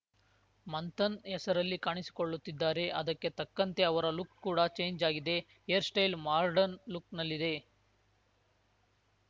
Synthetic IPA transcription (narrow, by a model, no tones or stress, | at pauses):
mɐnt̪ɐnɛsɐɾɐlːikaːɳisi̥koɭːut̪ːid̪ːaːɾe̞ʔɐd̪ɐkːe̞t̪ɐkːɐnt̪e̞ɐʋɐɾɐlukkuːɽɐt͡ʃe̞ːɲd͡ʒaːɡid̪e̞ | eɐɾsʈɐjlmaːɾɖɐnluknɐlːid̪e̞